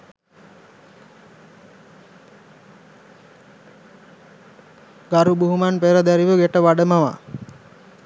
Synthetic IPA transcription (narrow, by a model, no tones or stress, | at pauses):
ɡaɾubuɦumanpeɾad̪æɾiboɡeʈəʋaɖəmaʋa̰